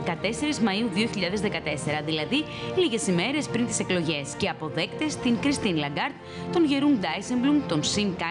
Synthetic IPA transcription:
kɐt̪e̞se̞ɾizmɐiuðio̞çiʎɐðe̞zðekɐt̪e̞se̞ɾɐðilɐði | liʝe̞sime̞ɾe̞spɾint̪i̥se̞klo̞ʝe̞sce̞ɐpo̞ðe̞kt̪e̞st̪iŋkɾist̪inlɐɡɐɾt̪ | t̪o̞nʝe̞ɾund̪ɐjsemblumt̪o̞nsimkɐ

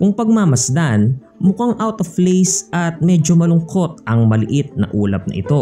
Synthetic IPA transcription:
kʊŋpɐɡ̚mamɐsd̪an | mʊkaŋʔawt̪oflejsɐt̪̚mɛːd͡ʒomɐlʊŋko̞t̪̚ʔɐŋmɐlɪʔɪt̪̚nɐ̰ʔuːlɐp̚nɐ̰ʔɪ̰t̪o̞

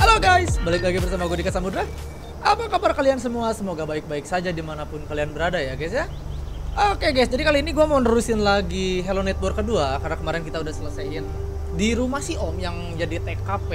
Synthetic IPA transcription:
heloɡajsbalɪk̚baɡibərsamaɡuadikasamudɾa | ʔapakabarkaliansəmuasəmoɡabaɪk̚baɪksad͡ʒadimanapʊnkalianbəɾadajaɡɛsja | okeɡajsd͡ʒadikaliːniɡuamanəɾusɪnlaɡiɦelonɛt̪̚bɔrkəduakarnakəmaɾɛnkit̪audahsələsaɦɪn | diɾumahsiʔɔmjaŋ | jadit̪ɛkːapɛ

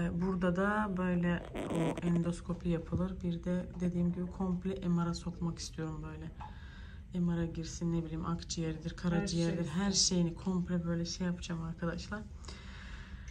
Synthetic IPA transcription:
buɾd̪ad̪abø̞jlʲɛoɛnd̪o̞skʰo̞pʰijapʰɯlˠɯɾbiɾd̪ɛd̪e̞d̪iːmɟibikʰo̞mplʲɛʔemaɾaso̞kˠmaki̥st̪ʰijo̞ɾumbø̞jlʲɛ | emaɾaɟiɾsinːebilʲiːmʔakd͡ʒijeɾid̪iɾkʰaɾad͡ʒijæɾd̪iɾɦæɾʃe̞jinikʰo̞mplʲɛbø̞jlʲɛʃejapʰd͡ʒaːmaɾkʰad̪aʃlˠaɾ̥

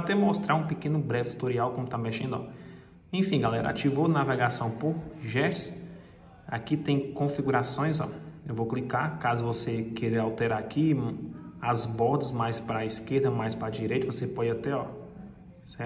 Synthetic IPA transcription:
at̪ɛmɔst̪ɾaɾũpekẽnʊbɾɛfit̪u̥t̪oɾiawkõmʊt̪ameʃẽnd̪ʊɔ̰ | ẽfĩɡalɛɾɐ̰a̰t͡ʃivonavɛɡasɐ̃w̃poɾʒɛɾs | a̰kit̪ẽj̃kõfiɡuɾasõj̃zɔ̰ewvowklikakazʊvosekeɾeɾawt̪ɛɾaaki | azbɔd̪ɐzmajspɾɐiskeɾd̪ɐmajspɾad͡ʒiɾejt̪ɐvosepɔd͡ʒat̪ɛɔ | sɛ

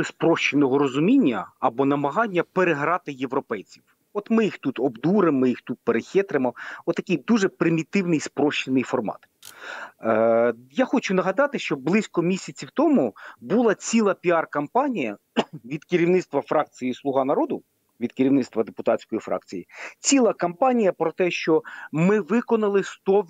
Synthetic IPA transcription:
spɾɔʃt͡ʃenɔɦɔɾɔzʊmʲinʲːɐɐbɔnɐmɐɦɑnʲːɐpeɾeɦɾɑt̪ɪjeʋɾɔpɛjt͡sʲiw | ɔt̪mɪjixt̪ut̪ɔbd̪uɾemːɪjixt̪ut̪̚peɾexʲɛt̪ɾemɔɔt̪ːɐkʲɪjd̪uʒɛpɾɪmʲit̪ɪwnɪjspɾɔʃt͡ʃɪnɪjfɔrmɑ̰t̪ | jaxɔt͡ʃʊnɐɦɐd̪ɑt̪ɪʃt͡ʃɔblˠɪsʲkɔmʲisʲɐt͡sʲiwt̪ɔmubulˠɑt͡sʲilˠɐpʲiɑrkɐmpɑnʲijɐ | ʋʲid̪kɪɾʲiwnɪt̪st̪ʋɐfɾɑk̚t͡sʲijislˠʊɦɑnɐɾɔd̪ʊ | ʋʲid̪kɪɾʲiwnɪt̪st̪ʋɐd̪epʊt̪ɑtʲsʲkɔjifɾɑ̰k̚t͡sʲijit͡sʲilˠɐkɐmpɑnʲijɐpɾɔt̪ɛʃt͡ʃɔmɪʋɪkɔnɐlˠɪst̪ɔ

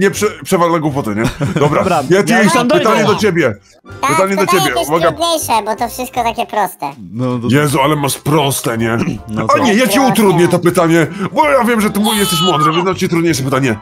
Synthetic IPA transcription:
ɲɛpʂɛpʂɛvalːaɡwupɔt̪ɛɲɛd̪ɔbɾajat̪jɛspɨt̪aɲɛd̪ɔt͡ɕebʲjɛ | pɨt̪aɲɛd̪ɔt͡ɕebʲjɛuvaɡɾad̪ɲejʂɛbɔt̪ɔfʂɘst̪̚kɔt̪akʲɛpɾɔst̪ɛjɛzualɛmaʂpɾɔst̪ɛɲɛaɲɛjat͡ɕɛut̪ɾud̪ɲɛt̪ɔpɘt̪aɲɛbɔjavʲjɛmʐɛt̪ujɛst̪ɛɕ̬mwɔnd̪ʐɛvɛznamt͡ɕit̪ɾud̪ɲejʂ̬ɛpɘt̪aɲɛ

